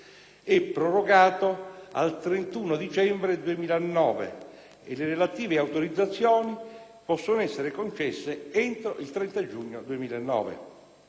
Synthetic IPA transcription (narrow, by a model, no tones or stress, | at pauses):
ɛpːɾoroɡaːt̪oa̰lt̪ɾent̪uːnod̪it͡ʃɛmbɾed̪uemiːlanːɔːvḛ | ḛlːeɾelat̪iːveawt̪oɾid̪zːat̪sːjoːni | pɔsːonoɛsːeɾekont͡ʃɛsːeɛnt̪ɾoilt̪ɾɛnt̪ad͡ʒuɲːod̪uemiːlaenːɔ̰ːvḛ